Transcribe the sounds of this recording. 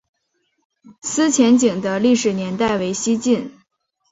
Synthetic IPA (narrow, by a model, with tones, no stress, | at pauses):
sɹ̩˥t͡ɕʰjɛ˧˥nt͡ɕi˨˩ŋd̪ə˦li˥˩ʂɻ̩˨˩njɛ˧˥nt̪a˥˩ɪwe˧˥ɪɕi˥t͡ɕi˥˩n